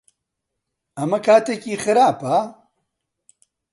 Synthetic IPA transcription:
ɐmɐkʰaːt̪ekiːxɨɾaːpa

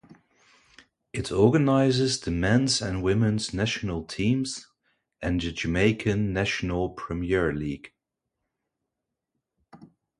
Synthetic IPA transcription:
ɪtʰɔɹɡənaɪzɪzðɨmɛ̃nzɨ̃nwɪ̃mɨ̃nznæʃnəl̩ˠtʰĩmz | ʔɨ̃nðɨd͡ʒɨmeɪkʰɨ̃nːæʃənəl̩ˠpʰɹ̥ɨmiɛɹliːɡ̥

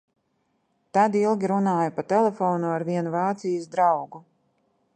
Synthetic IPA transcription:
t̪ad̪ilˠɡʲiɾunaːjapat̪ɛlɛfɔːnuaɾviɛnuvaːt̪sijasd̪ɾawɡu

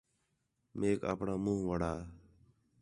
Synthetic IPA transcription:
meːka̰ːpɳaːmũːɦʋəɽ̤aː

